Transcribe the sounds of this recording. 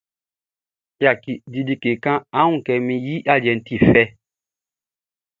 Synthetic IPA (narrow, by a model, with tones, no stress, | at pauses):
ja˨ki˨di˨di˦ke˨kã˦a˦ũ˦˨kɛ˨mĩ˦ji˦ʔa˦˨ljɛ˨n̩˦ti˦˨fɛ˦